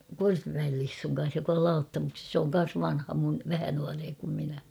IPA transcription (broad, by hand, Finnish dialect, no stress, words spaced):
korpimæel lisːuŋ kɑn̞s jok ol lɑutːɑmukses sĕ oŋ kɑn̞s ʋɑnhɑ mun ʋæhæ nuɑreː kum minæ